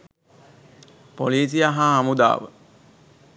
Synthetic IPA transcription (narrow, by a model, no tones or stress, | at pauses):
poliːs̬ijaɦaamud̪a̰ːʋə̰